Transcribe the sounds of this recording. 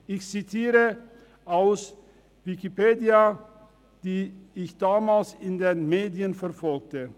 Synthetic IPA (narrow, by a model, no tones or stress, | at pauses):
ʔɪçt͡sitʰiːʁə | ʔaʊs | vɪkipeːdia | d̥iːɪçd̥aːmaːlsɪndeːnmeːdiənfɛɐfɔlk̚tə